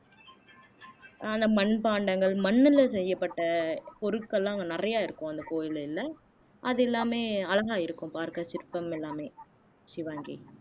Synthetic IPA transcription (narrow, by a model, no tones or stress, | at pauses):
ɐnd̪ɐmɐɳpaːɳɖɐŋɡɐɭmɐnːɪlsɛjːɐpːɐʈːɐpɔɾɯkːɐlːãːŋɡɐnɪrɐjaːɪɾɯkːʊ̃ɐnd̪ɐkoːjɪlɪlːɐ | ʔɐðɛlːaːmeːɐlɐɣaːɪɾɯkːʊ̃mpaːɾkɐt͡ʃɪɾpːɐmɛlːaːmeː | ʃɪʋaːŋɡḭ